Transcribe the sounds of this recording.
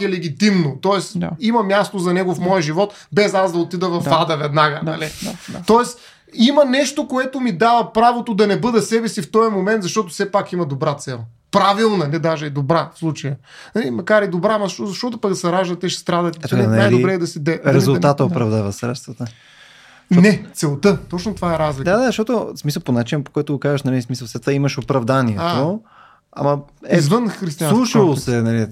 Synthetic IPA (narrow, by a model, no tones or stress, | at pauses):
ɛlɛɡ̟ʲit̪imnot̪ɔɛsimɐmʲjast̪ozɐnɛɡofmɔjəʒivɔt̪ | bɛzazd̪ɐot̪id̪əvɐfad̪ɐvɛd̪naɡənɐ̰lit̪ɔɛs | imənɛʃt̪okoɛt̪omid̪avɐpɾavot̪od̪ɐnɛbɤd̪ɐsɛbɛsift̪ɔjɐmomɛnt̪zɐʃt̪ɔt̪ʊfsɛpakimɐd̪obɾat̪sɛlˠ | pɾavilˠnɐnɛd̪aʒɛːd̪obɾafslˠut͡ʃɐjə | nɐlimɐkaɾɛd̪obɾaːmɐzɐʃozɐʃt̪ɔt̪ʊpɐkd̪ɐsɐɾaʒd̪ət̪ːɛʃɛ̥st̪ɾad̪ɐt̪ɛt̪kɛannajloibɾɛːd̪ɐsid̪ɛɾɛzʊlat̪əopɾɐvd̪avɐsɾɛt̪st̪vət̪ə | onɛt̪sɛlˠt̪ɤt̪ɔt͡ʃnʊt̪ovaɛɾazlid̪aad̪aʃt̪ɔt̪osmisəlˠponat͡ʃinəpo̥kɔjt̪ʊɡokazəʃnɐlɛismisəlˠsɛt̪vaiməʃopɾɐvd̪aniɛat̪o | a̰mɐɛizvənxɾist̪ianlˠuʃəlˠosɛnɐli